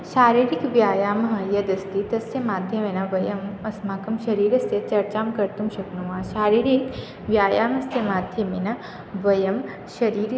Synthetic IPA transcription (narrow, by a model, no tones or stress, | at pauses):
ʃaːɾiːɾikʋjaːjaːmɐɦɐjɐd̪ɐst̪it̪ɐsjɐmaːd̪ʱjɐmenɐʋɐjɐmɐsmaːkɐmʃɐɾiːɾɐsjɐt͡ʃɐɾt͡ʃaːmkɐɾt̪umʃɐknuʋaːʃaːɾiːɾik | ʋjaːjaːmɐsjɐmaːd̪ʱjɐminɐ | ʋɐjɐm | ʃɐɾiːɾ